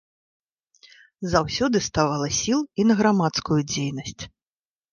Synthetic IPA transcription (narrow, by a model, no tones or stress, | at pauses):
zawsʲɔd̪ɨst̪avalˠɐsʲilˠinɐɣɾamat̪skujud͡zʲejnɐsʲt͡sʲ